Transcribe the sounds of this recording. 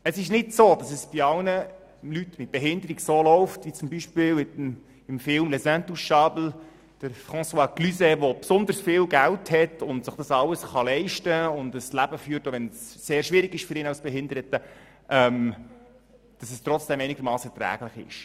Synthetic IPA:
əsɪʃnɪtsoːd̥ɑsɛsb̥iɑwnə | lytmɪt̚b̥eɦɪndəɾiɡsoːlɔʊftʋit͡sʊmbiʃpɪːlɪtm | ɪmfɪlmlɛsæ̃ntusʃɑbl̩ | d̥əɾfχɑ̃swɑːklysɛʋopsʊnd̪əɾsfɪːlɡælthɛtʊntsɪχd̥ɑsɑləsχɑlɛɪʃtəʊndəslæb̥əfyːɾtoʋɛnsːeːɾʃʋɪɾɪɡɪʃfʏɾɪːnɑʊsb̥ɛɦɪndəɾətə | ʔɛm | d̥ɑsəst̪ɾɔt͡sd̥ɛmɛɪnɪɡəɾmɑːsɛtɾæ̰ːɡlɪχɪ̰ʃ

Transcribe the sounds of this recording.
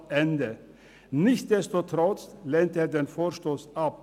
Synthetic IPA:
ɛndə | nɪçt̚d̥ɛstutʁɔt͡sleːntəeːɐdeːnfoːʃtoːsap̚

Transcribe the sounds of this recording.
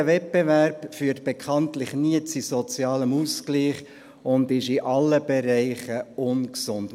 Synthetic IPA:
əvɛt̚pevæɾpfyːəɾtb̥ekʰɑntlɪχniət͡sisɔt͡sjɑːləmuskliːχ | ʊndɪʃiʔɑlːəb̥eɾɛɪχəʊnksʊnt

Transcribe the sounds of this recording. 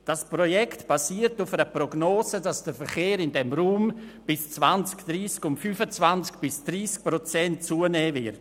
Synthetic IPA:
d̥asprojɛktb̥asiːəɾtufəɾəprɔɡnoːsədasd̥əfəɾχeːɾɪndɛmruːmb̥ɪst͡svant͡skd̥ɾiːskʊntfyfət͡svant͡sk̚b̥ɪsd̥riːsk̚prot͡sɛnt̚t͡suːənɛːvɪt

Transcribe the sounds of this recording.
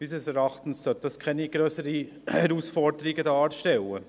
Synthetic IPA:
b̥isɛsɛɾɑχtn̩ssœt̚d̥ɑskʰɛniɡ̥ɾøːsəɾi | hɛɾuːsfɔɾdəɾiɡədɑːɾʃtɛlə

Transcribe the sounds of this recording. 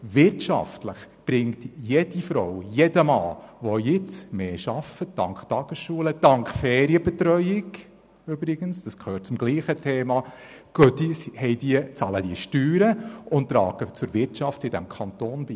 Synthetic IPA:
ʋɪrtʃɑ̰ftləχb̥ɾɪŋtjɛd̥ifɾɔwjɛdəmɑ̰ːʋɔjɪt͡smeːʃɑfəd̥ɑ̰ŋkχtɑɡ̥əsʃuːləd̥ɑŋkχfɛːɾiəbɛtɾœʏɪɡ | ʏb̥ɾɪɡ̥ənsd̥ɑskʰøːt̚t͡sʊmɡ̥liːχətʰeːmɑɡ̥œtishɛjdiət͡sɑːləd̥iəʃtyːɾəʊntt̪ːɾɑ̰ːɡ̥ət͡sʊɾʋɪrtt͡ʃɑftɪdɛ̰mkʰɑntoːnbi

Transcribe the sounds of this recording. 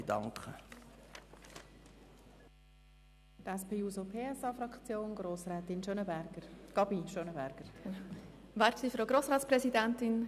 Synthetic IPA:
d̥ɑ̰ŋkχə | t̪ɛspʰeːuːzopʰeːɛsɑfɾɑkt͡sjoːnɡɾoːsɾɛːt̪ɪnʃønəbɛɡəɡ̥ɑbiʃønəbæɾɡ̥əɾ | væɾtsifɾoɡɾoːsɾɑːtspɾɛsidɛnt̪ɪn

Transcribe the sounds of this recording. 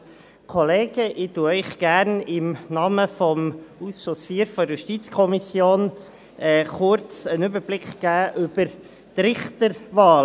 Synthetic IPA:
kʰɔleːɡ̥əʔɪtuəœɪχɡ̥æɾnɪmnɑːməfɔmusʃɔsfiːɾfɔɾjuʃtit͡skʰɔmisjoːn | ʔɛːχʊɾt͡sənʏbəɾblɪkχɡ̥æːʔʏb̥əɾ | t̪ɾɪχtəɾʋɑːl

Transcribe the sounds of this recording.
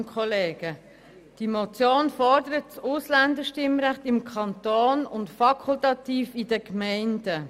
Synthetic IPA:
nkʰχɔleːɡ̥ə | d̥imɔt͡sjoːnfɔɾdəɾət̚t͡sʊslænd̪əʃtɪmɾæχtɪmkʰχɑnt̪oːnʊntfɑkʰultɑtiːfid̥əkmɛɪndə

